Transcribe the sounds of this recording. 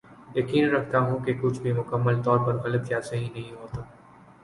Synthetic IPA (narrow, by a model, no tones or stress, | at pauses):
jɐkiːnɾɐkʰt̪aɦũkekʊt͡ʃʰbʱimʊkəmːəlt̪ɔːɾpɐɾɣɐləbd͡ʒaːseɦĩnɐɦĩɦoːt̪a